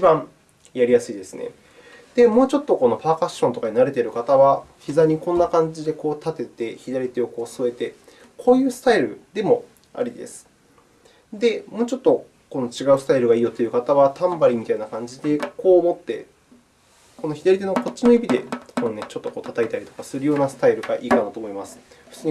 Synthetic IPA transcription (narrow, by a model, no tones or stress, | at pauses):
it͡ɕibãŋ | jaɾʲijasɨid̪e̞sɨnḛ | d̪̥e̞mo̞ːt͡ɕo̞t̪ːo̞ko̞no̞paːkaɕːõ̞nt̪o̞kaɲ̟inaɾe̞t̪e̞ɾɯ̟kat̪aβaçizaɲ̟ikõnːakãɲ̟d͡ʑid̪e̞ko̞ːt̪at̪e̞t̪e̞çid̪aɾʲit̪e̞o̞ko̞ːsoe̞t̪e̞ | kʰo̞ːjɯ̟ːsɨ̥t̪aiɾɯ̟̰d̪e̞mo̞ | a̰ɾʲid̪e̞̰sɨ̥ | d̪e̞mo̞ːt͡ɕo̞t̪ːo̞ | ko̞no̞t͡ɕiɡaɯ̟sɨ̥t̪aiɾɯ̟ɡaiːjo̞t̪ːe̞jɯ̟kat̪aβat̪ãmbaɾʲimʲit̪ainakãɲ̟d͡ʑid̪e̞ko̞ːmo̞t̪ːe̞̰ | ko̞no̞çid̪aɾʲit̪̬e̞noko̞t̚t͡ɕːino̞ibʲid̪e̞̰konone̞t͡ɕo̞t̪ːo̞ko̞ːt̪at̪ait̪aɾʲit̪o̞kasɨɾɯ̟jo̞ːnasɨ̥t̪aiɾɯ̟ɡaʔiːkanat̪oːmoimasɨ̥ɸɯ̥t͡sɨːɲ̟i